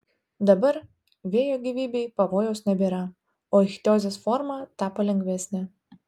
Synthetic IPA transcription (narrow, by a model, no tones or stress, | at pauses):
d̪ɐbɐɾ | ʋʲeɛjoːɡʲiːʋʲiːbʲeɪpɐʋoːjɛʊsnʲɛbʲeːɾɐ | oːxʲt̪ʲoːzʲeːsfɔɾmɑːt̪ɑːpɐlʲɛŋʲɡʲʋʲɛsʲnʲɪ